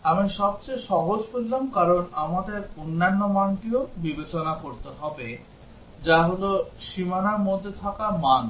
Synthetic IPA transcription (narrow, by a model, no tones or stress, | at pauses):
amiʃɔb̚t͡ɕejʃɔɦod͡ʑbollamkaɾonamad̪eɾonːanːomanʈiobibet͡ɕonakoɾt̪eɦɔbe | d͡ʑaɦoloʃimanaɾmod̪ʱːet̪ʰakaman